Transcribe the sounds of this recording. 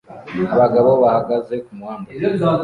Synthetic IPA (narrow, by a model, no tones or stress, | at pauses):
βaɡaβoβahaɡaze̞kumwaːna